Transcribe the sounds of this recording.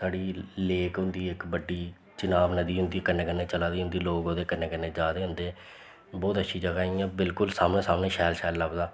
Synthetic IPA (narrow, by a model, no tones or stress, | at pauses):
saːɽiːleːkɦʊ̃nd̪iːɪkbəɖːiː | t͡ʃɪnaːʋnəd̪iːɦʊ̃nd̪iːkənːeːkənːẽːt͡ʃəlaːd̪iːɦʊ̃nd̪iːloːɡõːd̪eːkənːeːkənːeːd͡ʒaːd̪eːɦʊ̃nd̪eː | bɔːt̪ətːʃʰiːd͡ʒəɡaːiːãːbɪlkʊlsaːmnẽːsaːmnẽːʃɛːlʃɛːlːəbd̪aː